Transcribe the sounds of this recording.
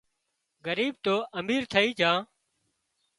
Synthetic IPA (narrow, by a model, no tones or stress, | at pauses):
ɡəɾiːb̚t̪oːʔəmiːɾt̪ʰəiːd͡ʒãː